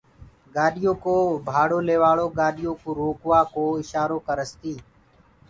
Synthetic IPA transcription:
ɡaːɗɪjõːkoːbʱaːɽoːleːʋaːɭoːɡaːɗɪjõːkuːɾoːkʋaːkoːɪʃaːɾoːkəɾəst̪iː

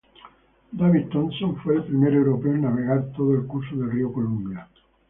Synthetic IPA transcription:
d̪aβiðt̪õnsõɱfwelpɾimeɾewɾopeoenaβ̞e̞ɣ̞aɾt̪oðoelkuɾsoðelriokolumbja

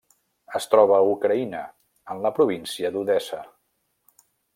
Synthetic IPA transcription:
əst̪ɾɔβ̞əːukɾəinə | ənləpɾuβ̞insiəd̪uðɛsə

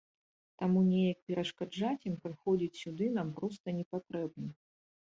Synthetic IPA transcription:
t̪amunʲejɐk̚pʲɛɾɐʂkad͡ʐat͡sʲimpɾɨxɔd͡zʲit͡sʲsʲud̪ɨnampɾɔst̪ɐnʲɛpat̪ɾɛbnɐ

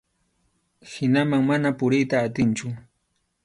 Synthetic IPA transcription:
hɪnamaŋmanapʊɾɪjt̪aːt̪ɪnt͡ʃʊ

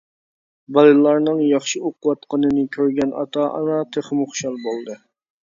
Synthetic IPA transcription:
bɑlˠɨlˠɑɾnɨŋjɑχʃɨoqʊwɑt̪qənɨnɨkʲʰøɾɡʲɛnɑ̰t̪ʰɑʔɑnɑt̪ʰəχmʊχʃɑlˠbolˠd̪ɨ

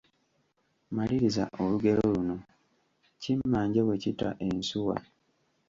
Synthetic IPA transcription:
maliɾiza̰ʔoluɡe̞ɾo̞luno̞ | cimːaːɲɟewe̞citaʔe̞nsuwa̰

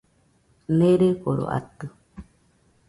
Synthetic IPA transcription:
neɾekoɾo̰ʔa̰t̪ɨ

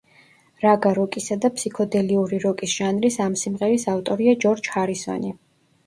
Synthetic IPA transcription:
ɾaɡaɾɔkʼisad̪apʰsikʰɔd̪ɛliuɾiɾɔkʼisʒ̥anɾisamsimʁɛɾisaft̪ʼɔɾiad͡ʒɔɾd͡ʒhaɾisɔ̰ni

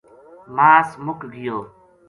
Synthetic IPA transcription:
maːsmʊkɡɪjoː

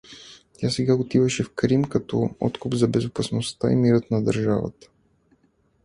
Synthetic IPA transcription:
t̪ʲasɛɡaot̪ivəʃɛfkɾimkɐt̪ɔɔ̰t̪kʊpzɐbɛzʊpɐsnost̪aḭmiɾət̪nɐd̪ɐɾʒavə̰t̪ə̥

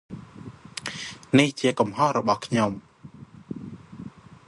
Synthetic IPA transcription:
niht͡ɕiəkumhohrɔɓɑhkʰɲom

